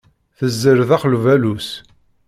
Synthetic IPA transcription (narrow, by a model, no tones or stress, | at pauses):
θəzːəɾðɑχlvælus